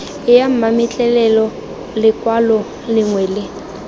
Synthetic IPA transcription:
ɪjam̩mamɪt͡ɬʼɛlɛlɔ | lɪkʼwalɔ | lɪŋwɛlɪ

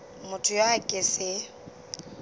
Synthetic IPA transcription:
mʊtʰʊjaakʼɪsɪ

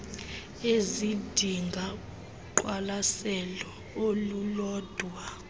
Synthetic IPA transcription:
ezid̥ʱiŋɡʱa | ǃwalasɛlɔ | olulɔːd̥ʱwa

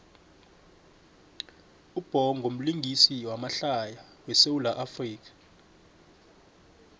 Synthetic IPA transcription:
ub̥ʱɔŋʱom̩liŋɡʱisiwamaɬaja | wɛsewulaʔafriːk̬ḁ

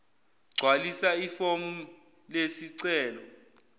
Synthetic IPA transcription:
ɡ͡ǀʱwalisaifom̩ | lesiǀɛːlɔ

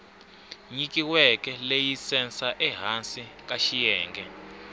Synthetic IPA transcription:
ɲikiwɛkɛlejisɛnsaʔɛɦansik̬aʃijɛːŋɡɛ

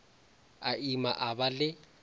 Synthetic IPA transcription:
aima̰ʔabalɪ

